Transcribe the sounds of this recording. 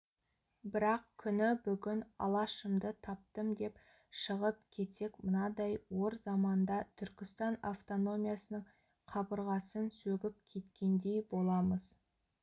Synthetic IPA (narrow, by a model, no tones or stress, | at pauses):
bɪɾɑqkʲʰʏnɪbʏɡʲɪnɑ̰lˠɑʃəmd̪ət̪ʰɑp̚t̪əmd̪e̞p | ʃəʁəpkʲʰe̞t̪se̞kmənɑd̪ɑjwo̞ɾzɑmɑnd̪ɑt̪ʰʏɾkʲɪst̪ɑnaft̪o̞no̞mijasənəɴ | qʰɑbəɾʁɑsənsɵɡʲɪp̚kʲʰe̞t̪kʲe̞nd̪e̞jbo̞lˠɑməz̥